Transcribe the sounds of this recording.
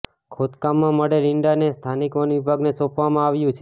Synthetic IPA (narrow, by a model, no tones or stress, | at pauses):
kʰot̪kamːãməɽeliɳɖanest̪ʰanikonʋibʱaɡnesɔpʋamãaʋjũt͡ʃʰe